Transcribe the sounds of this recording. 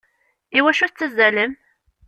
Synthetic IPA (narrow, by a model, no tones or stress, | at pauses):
iwæʃuθt͡sːəzæləm